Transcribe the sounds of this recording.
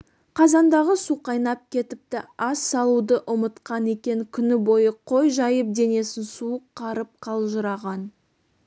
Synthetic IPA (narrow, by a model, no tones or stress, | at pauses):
qʰɑzɑnd̪ɑʁəsuqɑjnɑp̚kʲʰe̞t̪ɪp̚t̪ɪɑsːɑlˠud̪əʔʊmət̪qɑne̞kʲe̞ŋkʲʰʏnɪbo̞jəqʰo̞jʒɑjəp̚d̪e̞ne̞sɪnsuəq̚qʰːɑɾəp̚qʰɑlˠʒəɾɑʁɑn